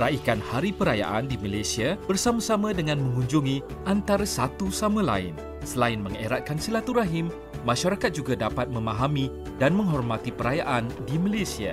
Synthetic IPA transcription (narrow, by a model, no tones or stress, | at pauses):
ɾaikanhaɾipəɾaja̰ʔa̰ndimalasiab̥ərsamãsamãdəŋãnmə̃ŋũɲd͡ʒuŋĩ | ʔant̪aɾasat̪usamãla̰ɪ̰n | səlaɪnmə̃ŋḛɾat̪̚kansilat̪uɾaɦɪmː | ãʃaɾakat̪̚d͡ʒuɡadapat̪̚mə̃maɦamĩ | danmə̃ŋɦɔrmat̪ipəɾajaʔandimãlasia̰